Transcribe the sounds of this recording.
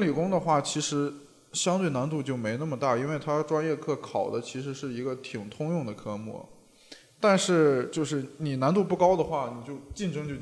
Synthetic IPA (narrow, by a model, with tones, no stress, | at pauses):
li˨˩kʊ˥ŋd̪ə˨xwa˥˩t͡ɕʰi˧˥ʂɻ̩˧˥ | ɕjɑ˥ŋt̪we˥˩ɪna˧˥nt̪u˥˧t͡ɕjo˥˩ʊme˧˥ɪna˥˩mə˩t̪a˥˩i˥nwe˥˩ɪt̪ʰa˥ʈ͡ʂwa˥njɛ˥˧kʰɤ˥˩kʰɑ˨˩ʊd̪ə˦t͡ɕʰi˧˥ʂɻ̩˧˥ʂɻ̩˥˩i˧˥ɡə˧t̪ʰi˨˩ŋt̪ʰʊ˥ŋjʊ˥˩ŋd̪ə˩kʰɤ˥mɔ̰˥˩ | t̪a˥˧nʂɻ̩˥˩t͡ɕjo˥˧ʊʂ̬ɻ̩˥˩ni˨˩na˧˥nt̪u˥˧pu˥˩kɑ˥ʊd̪ə˨xwa˥˩ni˨˩t͡ɕjo˥˧ʊt͡ɕi˥˩nʈ͡ʂɤ˥ŋt͡ɕjo˥˧ʊ